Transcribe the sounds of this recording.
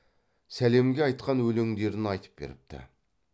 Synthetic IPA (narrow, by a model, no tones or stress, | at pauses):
sæle̞mɡʲeɑjt̪qɑnwɵleŋd̪e̞ɾɪnɑjt̪ə̥p̚be̞̰ɾɪp̚t̪ʰɪ̰